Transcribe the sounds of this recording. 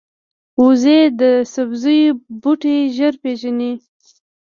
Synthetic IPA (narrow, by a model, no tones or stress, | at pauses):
uzed̪əsabzəjbuʈeʒəɾpeʒani